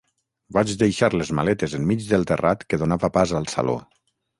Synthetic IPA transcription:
bad͡ʒðejʃaɾlezma̰lɛt̪ezemmid͡ʒðelˠt̪erat̪keðonaβəpazəlˠsa̰lo̰

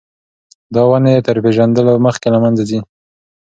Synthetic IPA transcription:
d̪ɑwanejet̪əɾpeʒand̪əloməxkelamanzad̪i

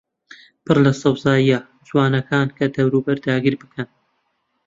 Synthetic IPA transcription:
pʰɨrlɐsɐwzaːjiɐ | d͡ʒwɑːnɐkʰaːnkʰɐd̪ɐwɾuːbɐɾd̪aːɡiɾbɨkʰɐn

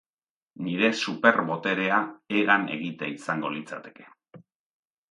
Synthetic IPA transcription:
niɾe̞supe̞ɾβo̞t̪e̞ɾe̞aeɣane̞̰ɣit̪a̰isaŋɡo̞lit͡sa̰t̪e̞̥ke̥

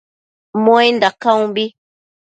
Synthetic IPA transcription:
mɔjndakaũbi

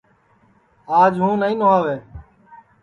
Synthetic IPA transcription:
aːd͡ʒɦũːnəĩːnoaːʋeː

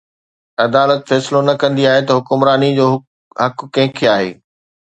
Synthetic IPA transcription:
ɐd̪aːlət̪fɛːsɪlonɐkɐ̃nd̪iaːɦet̪ɐɦʊkʊmɾaːnid͡ʑoː | ɦɐkːɐ̃ɦɪ̃kʰeaːɦḛː

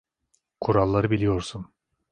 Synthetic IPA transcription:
kʰuɾɑlˠːaɾɯbilʲijo̞ɾsun

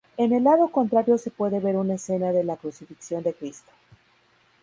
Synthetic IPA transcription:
e̞ne̞lːaðo̞ko̞nt̪ɾaɾjo̞se̞pwe̞ðeβe̞ɾunaese̞naðe̞lakɾusifiksjo̞nd̪e̞kɾist̪o̥

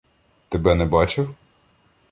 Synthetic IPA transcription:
t̪ebɛnɛbɑt͡ʃɪw

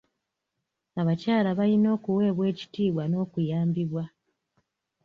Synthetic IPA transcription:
aβacaːlaβalino̞ːkuwe̞ːβwe̞ːci̥tiːβwano̞ːkujaːmbiβwa

